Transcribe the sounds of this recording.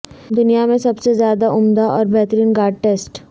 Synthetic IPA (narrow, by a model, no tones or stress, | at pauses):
d̪ʊnijamẽsɐbsezjaːd̪aʔʊmd̪aʔɔːɾbʱɛɦt̪əɾiːnɡaːɾɖ̚ʈeːsʈ